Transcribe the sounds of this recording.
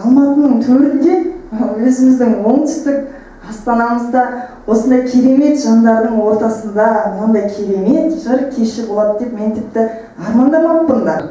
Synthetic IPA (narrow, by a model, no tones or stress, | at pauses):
ɑlˠmɑt̪ənəɴt̪ʰɵɾɪnd̪e̞wɵzɪmɪzd̪ɪŋwo̞ɴt̪ʰʏ̥st̪ɪk̚ | ɑst̪ɑnɑməzd̪ɑwo̞sənd̪ɑjkʲʰe̞ɾe̞me̞t̪ʒ̥ɑnd̪ɑɾd̪əɴwo̞ɾt̪ɑsənd̪ɑnond̪ɑjkʲʰe̞ɾe̞me̞t̪ʒəɾkʲʰe̞ʃɪbolˠɑd̪əd̪e̞pmeŋt̪ʰɪp̚t̪ɪ | ɑɾmɑnd̪ɑmɑbənd̪ɑ